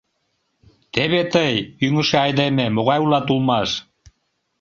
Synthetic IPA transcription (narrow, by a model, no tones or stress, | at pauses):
t̪eβet̪əjyŋə̆ʃeɑjðememoɣɑjulɑt̪ulˠmɑʃ